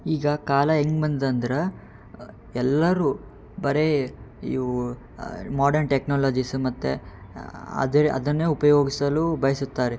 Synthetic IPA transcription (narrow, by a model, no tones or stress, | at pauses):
iːɡɐkaːlɐɦeŋɡbɐnd̪d̪ɐnd̪ɐɾɐ | ɛlːɐɾuː | bɐɾeḭː | maːɖɐɾnʈeknaːlaːd͡ʒismɐt̪ːḛ | ɐ̰d̪ɐɾɐ̰d̪ɐnːeːupɐjo̞ːɡisɐlubɐjɐsut̪ːaːɾe